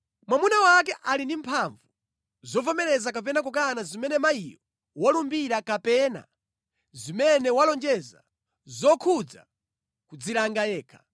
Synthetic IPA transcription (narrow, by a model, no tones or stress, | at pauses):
mwamunawak̬ɛʔalindim̩pʰaɱvu | zɔvɔmɛɾɛzakap̬ɛnak̬uk̬anazimɛnɛmaijɔ | wɔlumbiɾakapɛːna̰ | zimɛnɛwalɔnd͡ʒɛza̰ | zɔkʰud͡za̰ | kud͡zilaŋɡajɛːkʰḁ